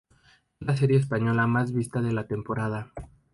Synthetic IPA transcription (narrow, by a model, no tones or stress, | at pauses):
ezlas̬e̞ɾje̞ːspaɲo̞lamazβist̪aðe̞lat̪e̞mpo̞ɾað̞a